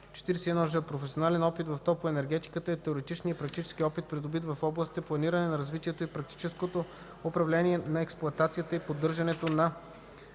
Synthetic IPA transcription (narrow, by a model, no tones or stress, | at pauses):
t͡ʃɛ̥t̪iɾɛsɛɛd̪nɔʒəpɾofɛsionalɛnɔpit̪vɐft̪ɔpoɛnɛɾɡɛt̪i̥kət̪əɛt̪ɛoɾɛt̪it͡ʃnijəpɾɐk̚t̪it͡ʃɛ̥sk̟iɔpit̪̚pɾid̪obit̪vɐfɔblˠəsit̪ɛplˠɐniɾɐnɛnɐɾɐzvit̪iɛt̪oipɾɐk̚t̪i̥t͡ʃɛskot̪o | opɾɐvlɛniɛnɐɛksplˠʊɐt̪at̪sijət̪əipod̪ːɤɾʒɐnɛt̪onɐ